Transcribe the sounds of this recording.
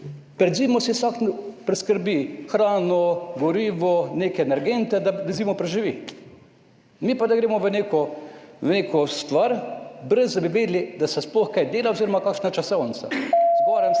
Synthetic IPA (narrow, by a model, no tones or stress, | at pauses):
pɾɛd̪ziːmɔsisaknpɾɛskəɾbixɾaːnɔɡɔɾiːʋɔneːkɛɛnɛɾɡent̪ɛd̪ad̪aziːmɔpɾɛʒiʋi | mipad̪aɡɾeːmɔʋəneːkɔʋəneːkɔst̪ʋaɾbɾəzd̪ɐbiʋeːd̪lid̪asɛsplɔxkajd̪eːlaoziːɾɔmakaːkʃnat͡ʃasɔwnsa̰zɡɔːɾɛm